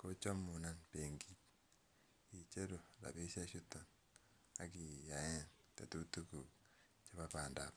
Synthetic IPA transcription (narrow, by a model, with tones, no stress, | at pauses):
ko˦t͡ʃo˦mu˨na˦npe˨ŋɡi˦ | i˨t͡ʃe˦ɾo˨da̰˨βe˦sa˦ʃu˦to˨n | a˨ki˨ja˨jɛ˦nte˨tu˦tu˦ku˨ | t͡ʃa˦βa˦pa˨nda̰˨p